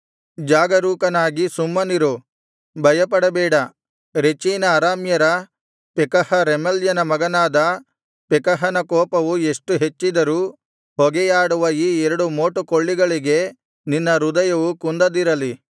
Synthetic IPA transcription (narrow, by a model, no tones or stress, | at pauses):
d͡ʒaːɡɐɾuːkɐnaːɡisumːɐniɾu | bʱɐjɐpɐɽɐbɛːɽɐ | ɾet͡ʃiːnɐːɾaːmjɐɾɐ | pɛkɐhɐɾemɐljɐnɐmɐɡɐnaːd̪ɐ | pɛkɐɦɐnɐkɔːpɐʋueʂʈuɦe̞t͡ʃːid̪ɐɾuː | hɔɡɛjaːɽuʋɐiːɛɾɐɽumoːʈukoɭːiɡɐɭiɡe̞ | ninːɐɾud̪ɐjɐʋukund̪ɐd̪iɾɐli